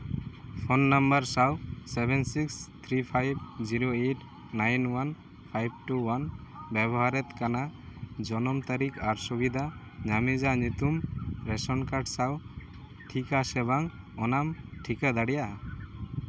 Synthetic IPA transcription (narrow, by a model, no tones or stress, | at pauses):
pʰonːambəɾsawsebɛnsikst̪ʰɾipʰajbd͡ʒiɾoeʈ | najnwan | pʰajb̚ʈuwanbɛbɔɦaɾɛt̪kanad͡ʒɔnɔmt̪aɾikʰaɾsubid̪ʱa | ɲamid͡ʒaɲut̪umɾɛsɔnkaɾʈsaw | ʈʰikasɛbaŋ | ɔnamʈʰikad̪aɽija